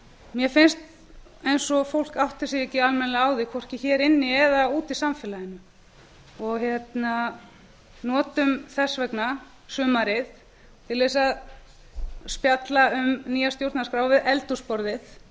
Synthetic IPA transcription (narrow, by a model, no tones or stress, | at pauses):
mjɛfɪnst̪ | ejnsɔfowl̥kawht̪ɪ̥siɛcːɪalmɛnlaːwðɪkʰɔr̥cɪçɛːɾɪnːɪɛðauːt̪isamfɛlajɪnʏ | ɔɣçjɛt̪na | nɔːt̪ʏmθɛsvɛkna | sʏːmaɾɪθ | t̪ʰɪlvɛsað | spjat̪laʏmniːjast̪jowɾt̪naskɾaːwvvɪðɛlt̪uspɔɾðɪθ